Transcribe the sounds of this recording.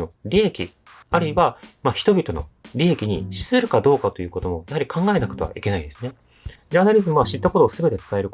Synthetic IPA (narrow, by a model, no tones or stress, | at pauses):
o̞ɾʲiekʲḭ | aɾɯ̟iβamaçi̥t̪o̞bʲit̪o̞no̞̰ɾʲiekʲiɲ̟iɕi̥sɨɾɯ̟kad̪o̞ːkat̪o̞jɯ̟ːko̞t̪o̞mo̞jahaɾʲikʰãŋɡae̞nako̥t̪o̞βa̰ʔike̞naid̪e̞sɨne̞ | d͡ʑaːnaɾʲizɨmoaɕit̪ːako̞t̪o̞ːsɨbe̞t̪e̞t͡sɨ̥t̪ae̞ɾɯ̟